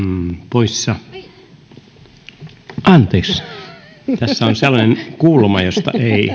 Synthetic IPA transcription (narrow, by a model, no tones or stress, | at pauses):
poissɑ | ʔɑnt̪eːks | t̪æsːæonselːɑnenkuːlmɑjost̪ɑ̰ʔei